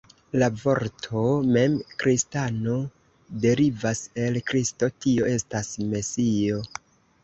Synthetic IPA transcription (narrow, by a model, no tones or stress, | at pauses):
lavo̞ɾtʰo̞me̞mkɾistano̞ | de̞ɾivase̞lkɾisto̞tio̞e̞stasme̞sio̞